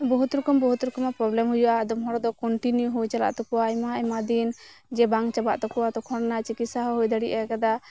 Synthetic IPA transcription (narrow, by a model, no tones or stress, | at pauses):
bɔɦut̪ɾukɔmbɔɦut̪ɾukɔmapɾɔblɛmɦujɔʔad̪ɔmɦɔɾɔd̪ɔkɔɳʈinjuɦujt͡ʃala̰ʔt̪ɔkuwajmaɛmad̪in | d͡ʒɛbaŋt͡ʃaba̰ʔt̪ɔkɔwat̪ɔkʰɔɽnat͡ʃikit̪saɦɔɦujd̪aɽiʔakad̪a